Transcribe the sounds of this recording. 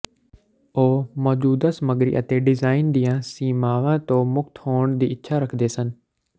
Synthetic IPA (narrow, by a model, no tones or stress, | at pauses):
oːmɔːd͡ʒuːd̪aːsəməɡɾḭːʔət̪eːɖɪzaːɪnd̪ijãːsiːmaːʋãːt̪õːmʊk̚t̪ʰhoːɳd̪iːɪt̪ːʃʰaːɾəkʰd̪eːsən